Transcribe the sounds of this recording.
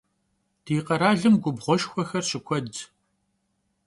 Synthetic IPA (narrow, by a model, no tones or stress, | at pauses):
d̥iːqɐɾaːɮɨmɡʷʊbʁʷɔʃxʷɔxɐrɕɪkʷʰɔd